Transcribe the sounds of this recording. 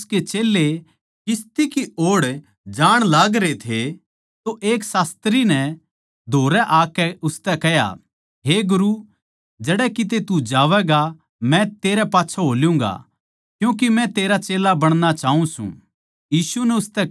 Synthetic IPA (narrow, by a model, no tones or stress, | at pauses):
sket͡ʃeːlːe | kɪst̪ikioːɽ | d͡ʒaːɽ̃laːɡɾet̪ʰe | t̪oʔeːksaːst̪ɾinɛ | d̪ʱoːɾɛʔaːkɛʊst̪ɛkɛja̰ | ɦeɡʊɾu | d͡ʒɐɽɛkit̪̬et̪ud͡ʒaːʋɛɡa | mɛ̃t̪eːɾɛpaːtːʃʰoɦoːljũŋ̆ɡa̰ | kjũːk̬imɛ̃t̪eːɾat͡ʃeːlabɐɽ̃ñat͡ʃaːɦũsṵ̃ | jiːsunɛʊst̪ɛ